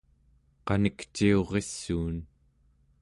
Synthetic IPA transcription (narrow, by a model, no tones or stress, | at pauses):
qɑnikt͡ʃio̞ʁe̞sːuːn